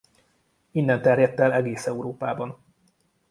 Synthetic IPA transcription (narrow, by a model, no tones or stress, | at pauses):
inːɛnt̪ɛrjɛt̪ːɛlɛɡeːsɛuɾoːpaːbɒn